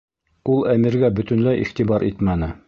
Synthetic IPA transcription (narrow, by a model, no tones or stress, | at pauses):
ulˠæmiɾɡæbɵ̆t̪ɵ̆nlæjʔḭχt̪ibɑɾʔit̪mænɘ